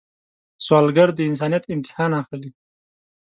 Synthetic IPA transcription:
swɑːlɡaɽd̪əɪns̬ɑːnijat̪ɪmt̪ɪ̥hɑːnaxli

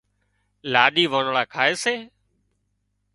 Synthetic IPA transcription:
laːɗiːʋəːnɭaːkʰaːeːseː

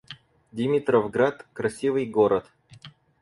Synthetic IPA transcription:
dʲɪmʲit̪ɾəvɡɾat̪kɾɐsʲivɨjɡoɾət̪

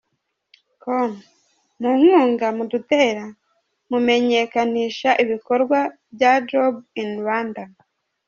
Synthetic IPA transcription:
kom | muŋ̥uːŋɡamudute̞ɾa | mume̞ɲe̞kaniːʃaʔiβiko̞ɾɡwabjad͡ʒobinwanda

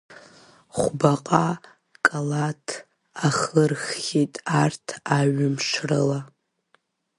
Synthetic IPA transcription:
χʷbaqʼa | kʼalatʰ | aχɨrχːʲitʼartʰaɥʊmʂrɨla

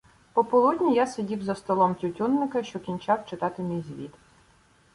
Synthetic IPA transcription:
pɔpɔlˠud̪ʲnʲijasedʲiwzɐst̪ɔlˠɔmtʲʊtʲunːɪkɐʃt͡ʃɔkʲinʲt͡ʃɑwt͡ʃɪt̪ɑt̪ɪmʲijzʲʋʲit̪

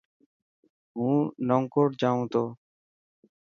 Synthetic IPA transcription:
ũnɔŋkɔɾd͡ʒaw̃t̪ɔ

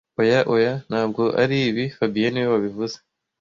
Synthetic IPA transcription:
ojaʔojan̥haːb̚ɡo̞ʔa̰ɾiːβifabijenijoβaβivuze

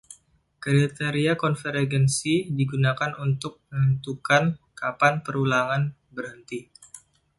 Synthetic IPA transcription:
kɾit̪eɾiakɔnfəɾɡɛnsidiɡunakanunt̪ʊk̚mənənt̪ukankapanpəɾulaŋan | bərhənt̪i

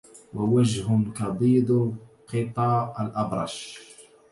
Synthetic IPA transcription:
wawad͡ʒhʊmkɑbiːd̪ˤ | qɨt̪ˤɑːalʔɑbɾˤɑ̰ʃ

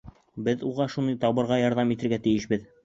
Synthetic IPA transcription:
bɘðuʁɑʃunɤjt̪ɑβɤ̆ɾʁɑjɑɾðɑmit̪ɘ̆ɾɡæt̪ɘ̆jɘʃbɘð

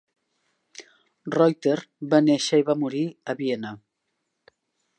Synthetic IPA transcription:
rɔjt̪eɾbaneʃəiβamuɾiəβiena

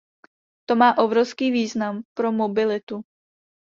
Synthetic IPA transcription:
t̪o̞maːʔobɾofskiːviːznampɾo̞mobɪlɪt̪u

